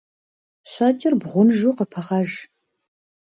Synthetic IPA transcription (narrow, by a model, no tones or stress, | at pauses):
ɕɑːt͡ʃʼɪrbʁʷʊnʒuːqəpʰɐʁɑːʒ